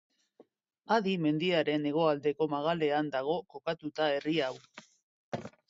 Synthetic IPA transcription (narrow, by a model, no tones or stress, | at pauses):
aðime̞nd̪iaɾe̞ne̞ɣ̞o̞ald̪e̞ko̞maɣ̞ale̞and̪aɣ̞o̞ko̞kat̪ut̪ae̞riaw